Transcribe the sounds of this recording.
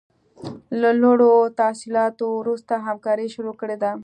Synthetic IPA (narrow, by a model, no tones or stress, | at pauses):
laloɽot̪asilɑt̪owɾust̪aɦamkɑɾiʃʊɾokəɽed̪a